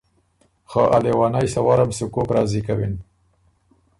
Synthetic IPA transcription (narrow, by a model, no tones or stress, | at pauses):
xaʔa̰lewɑnajsawaɾamsukokɾɑːzikawin